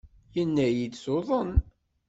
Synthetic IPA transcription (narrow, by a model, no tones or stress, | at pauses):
jənːæjid̪soðˤən